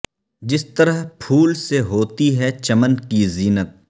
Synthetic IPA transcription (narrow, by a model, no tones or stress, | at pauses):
d͡ʒɪst̪ɐɾəɦpʰuːlseɦoːt̪iɦɛt͡ʃɐmənkiziːnət̪̚